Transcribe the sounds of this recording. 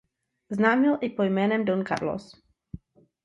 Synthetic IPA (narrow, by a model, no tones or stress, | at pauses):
znaːmilˠʔipɔjmɛnɛmd̪ɔnka̰ɾlɔ̰s